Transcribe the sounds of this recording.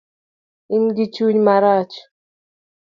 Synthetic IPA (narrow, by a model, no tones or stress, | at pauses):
imɡit͡ʃuɲmaɾat͡ʃ